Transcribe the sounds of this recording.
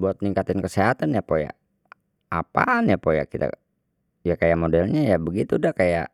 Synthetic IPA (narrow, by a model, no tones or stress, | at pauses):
buat̪̚niŋkat̪ɪnkəsɛɦat̪anjapoja̰ | apa̰napoja̰kit̪a̰ | jakajaʔmodɛlɲajabəɡit̪udakaja̰ʔ